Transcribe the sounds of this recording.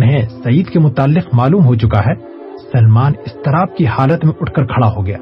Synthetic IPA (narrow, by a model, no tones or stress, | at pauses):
nɦɛ̃sɐiːd̪kemʊt̪aːlːɪqmaːluːmɦot͡ʃʊkaɦɛ | sɐlmaːnɪst̪ɐɾaːb̚kihaːlət̪mẽʔʊʈʰkɐɾkʰɐɽaɦoɡɐja̰ː